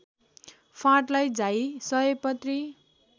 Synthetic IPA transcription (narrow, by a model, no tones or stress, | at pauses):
pʰãʈlajd͡zaisʌɦʌpʌt̪ri